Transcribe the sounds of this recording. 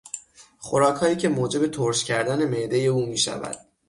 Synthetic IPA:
χoɾɒːkʰhɒːiːcʰe̞moːd͡ʒe̞be̞t̪ʰoɾʃcʲʰæɾd̪æne̞me̞ʔd̪eje̞uːmiːʃæ̰væ̰d̪̥

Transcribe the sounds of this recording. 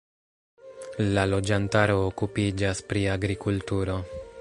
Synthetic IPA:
lalo̞d͡ʒantaɾo̞ːkupid͡ʒaspɾiaɡɾikultuɾo̞

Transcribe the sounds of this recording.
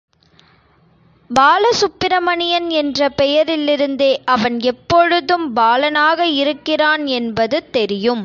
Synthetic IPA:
baːlɐsʊpːɪɾɐmɐɳɪjɐnɛndrɐpɛjɐɾɪlɪɾɯnd̪eːʔɐʋɐnɛpːɔɻɯðɯmbaːlɐnaːɣɐɪɾɯkːɪraːnɛnbɐðɯt̪ɛɾɪjɯm

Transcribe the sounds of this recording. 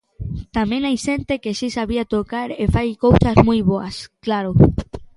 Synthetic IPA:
t̪amẽŋajʃẽnt̪ekeʃisaβiat̪okaɾefajkowsazmujβoasklaɾʊ

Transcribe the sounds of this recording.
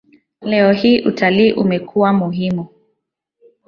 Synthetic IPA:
lɛɔhiːʔutaliːʔumɛkʰuwamuɦimu

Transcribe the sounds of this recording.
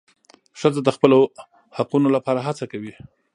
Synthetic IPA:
ʂəzad̪əxpəlo | haqunolapɑɾaɦat͡sakawi

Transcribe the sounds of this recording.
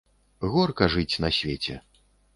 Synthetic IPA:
ɣɔrkɐʐɨt͡sʲnɐsʲvʲet͡sʲɛ̰

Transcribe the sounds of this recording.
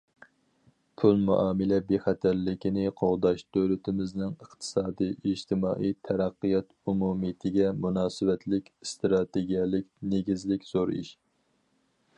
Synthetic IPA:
pʰulˠmṵʔɑːmɨlɛbeχɛt̪ʰæɾːɪkʲinɪqʰoʁd̪ɑʃd̪̥ølɪt̪ʰɪmɪznɪŋəχt̪ʰɨ̥sɑːd̪ijʔiʒt̪ʰɪmɑːʔijt̪ʰɛɾæqːijɑt̪umumit̪ʰɪɡʲɛmunɑːsɨwɛt̪ʰlɪkʲst̪ɾɑt̪eɡʲijɛlɪkʲneɡʲizlɪkʲz̥oɾḭʃ

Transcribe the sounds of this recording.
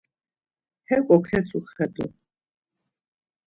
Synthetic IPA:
hɛkʼɔkʰɛt͡sʰʼuχɛd̪ɔ̰

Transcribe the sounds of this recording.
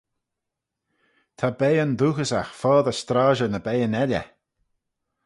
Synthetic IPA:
t̪ʰabejənðuːxəsaxfɔːðəst̪ɾaːʒənəbɛjənɛlʲə̰

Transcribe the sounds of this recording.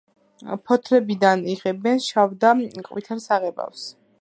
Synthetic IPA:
pʰɔt̪ʰɾɛbid̪aniʁɛbɛnʃavd̪akʼwit̪ʰaɾsaʁɛba̰fs

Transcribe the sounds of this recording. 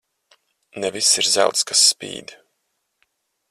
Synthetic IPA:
nɛvisːiɾza̰wt̪skasːpḭːd̪

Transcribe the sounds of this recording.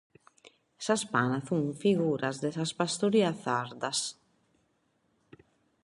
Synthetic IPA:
saspanaθuŋfiɣuɾazd̪esaspast̪oɾiaθaɾd̪as

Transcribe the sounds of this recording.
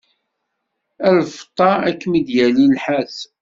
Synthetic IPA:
ælft̪ˤːɑækːmid̪jælilħæs

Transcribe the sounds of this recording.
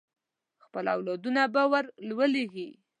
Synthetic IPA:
xpəla̰wlɑd̪unabawaɾlwəleɣi

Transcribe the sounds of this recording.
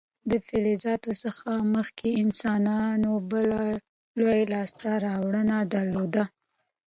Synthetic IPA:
d̪əfelezɑt̪osəxaməxkeɪnsɑnɑnobəla | lojlɑst̪aɾɑwɽənad̪aɾlod̪a

